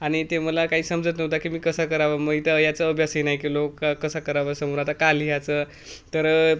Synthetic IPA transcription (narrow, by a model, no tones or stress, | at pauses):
aɽ̃it̪eməlakaɦiːsəmd͡zət̪nəɦt̪akimiːkəsakəɾaʋaməit̪əjat͡səəbʱjasəjnaikelokːakːəsakəɾaʋasəmuɾat̪akalijat͡sə | t̪əɾ